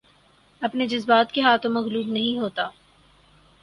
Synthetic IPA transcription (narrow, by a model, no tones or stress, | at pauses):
ɐpned͡ʒɐzbaːt̪keɦaːt̪ʰõmɐɣluːbnɐɦĩɦoːt̪aː